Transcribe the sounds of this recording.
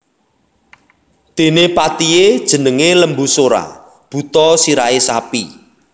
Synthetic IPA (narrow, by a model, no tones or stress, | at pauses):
d̪̥e̤nepat̪ijed̥ʒ̥ə̤nəŋeləmbusoɾa̰ | b̥ṳt̪ɔsiɾaesapi